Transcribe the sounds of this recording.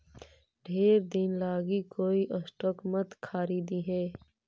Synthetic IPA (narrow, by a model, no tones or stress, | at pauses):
ɖʱeːɾd̪ɪnlaːɡikoːiʔəsʈoːkmət̪kʰaːɾiːd̪iɦɛː